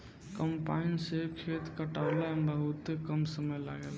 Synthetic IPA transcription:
kəmpainsekʰet̪kəʈaʊlabəɦut̪kəmsəməjla̰ɡel

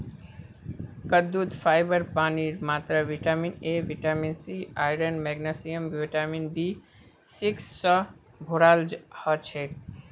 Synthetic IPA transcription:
kəd̪ud̪pʰaɪbəɾpaniɾmat̪ɾəʋiʈamineʋiʈaminsiajɾənmɛɡnəsijəmbjiʈaminbi | siksːə̃ | bʱoɾald͡ʒhət͡ʃʰek

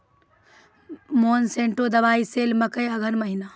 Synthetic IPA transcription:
moːnsẽːɳʈod̪ɐʋaːiseːlmɐkəjɐɡʱənmɐɦɪnaː

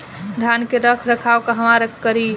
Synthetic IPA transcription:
d̪ʱankeɾəkʰɾəkʰawkəɦəmaɾekəɾi

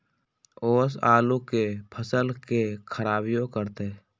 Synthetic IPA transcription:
oːsaːlũkepʰəsəlkekʰəɾaːbijõkəɾt̪e

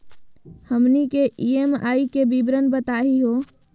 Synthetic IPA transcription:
həmnikeʔiema̰ːikebibɾənbət̪aɦiɦoː

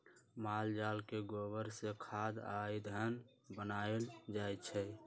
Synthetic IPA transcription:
maːld͡ʒalkeɡobəɾsekʰad̪ajd̪ʱən | bənaeld͡ʒajt͡ʃʰɛ

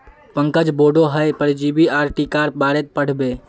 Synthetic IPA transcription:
pə̃ŋkəd͡ʒboːɖoɦəjpəɾd͡ʒibiaːɾʈikaɾbaːɾet̪̚pəɽ̤beː

